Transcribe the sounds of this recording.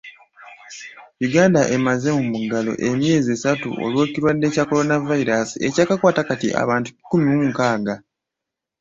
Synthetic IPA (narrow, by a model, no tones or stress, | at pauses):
juɡaːndaʔe̞maze̞mumuɡalo̞̰ʔe̞mje̞ːziesatṵʔo̞̰lwoːciɾwadːe̞ːcako̞ɾo̞navaiɾasie̞caːkakwaːtakatḭʔa̰βaːntu̥ci̥kːumiwuŋkaːɡa